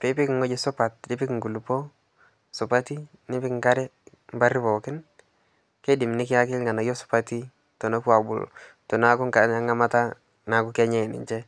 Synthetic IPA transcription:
pɪ˨˦pɪ˦kŋo˦d͡ʒɪ˦sʊ˦pa˨t̚dɪ˦pɪ˦kŋɡu˨lu˨po˦ | sʊ˨pa˦ti˦nɪ˦pɪ˦kŋ˦ka˦ɾɛ˦mba˦ɾi˦bɔ˨kɪ˦n | ke˦dɪ˨mnɪ˦kɪ˦a˦kɪ˦lŋa˨na˨jo˦sʊ̥˨pa˦ti˦ | to˨no˦ku˦a˨bʊ̰˨ltɔ˨na˨˦kʊ˦ŋka˨a˦ŋa˦ma˦ta˦ | na˨kʊ˦kɛ˦ɲɛ˦˨nɪ̰˨ɲt͡ʃɛ˦

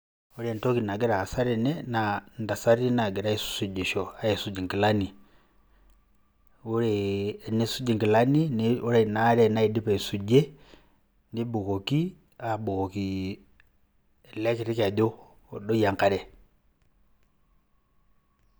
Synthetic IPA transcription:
u˦ɾɛ˦˨n˨tɔ˦ki˨na˨ɡɛ˦ɾaː˨sa˦ɾɛ˨nɛ˦na˨nda˨sa˦ɾi˦na˨ɡɛ˨ɾa˦i˨su̥˨su˨d͡ʒi˨ʃɔ˨a˦i˨su˨d͡ʒi˨ŋki˨la˦ni˨ | u˦ɾɛ˨ne˦su˦d͡ʒi˨ŋki˨la˦ni˦n˨u˦ɾa˦˨na˨˦ɾɛ˦˨na˦i˨di˦pa˨i˨su˨d͡ʒɛ˦ | ni˦bu˨kɔ˨ki˦ | a˨bu˨kɔ˨ki˨ | lɛ˦ki˨ɾi˦ka˨dɔː˦˨ | dɔ˦ja˨ŋka˨ɾɛ˨

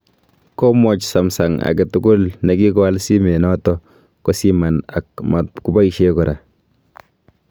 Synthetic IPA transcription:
kɔ˦mɔ˨t͡ʃsa˨msa˨ŋa̰˨kɛ˨tʊɡʊ˦lnɛ˨ki˦kɔ˦a˦lsi˦me˨nɔ˦tɔ˦ | kɔ˦si˦ma˨na˨kma˨ku˦ba˦i˨ʃekɔ˨ɾa˨

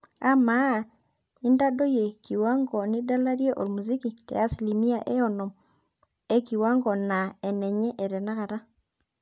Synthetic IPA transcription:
a˦ma˦˨ | i˦nda˦do˦je˨ki˨wa˦ŋɡɔ˨ni˦da˦la˦ɾje˦ʔo˨ɾmu˨zi˦ki˨tɛ̰˨a˦sli˨mi˦a˨ʔe˦ɔ˨no˨m | e˦ki˨wa˦ŋɡɔ˨na˨e˨nɛ˨ɲɛ˦ʔe˨ɾɛ˨na˦ɣa˨ɾa˦

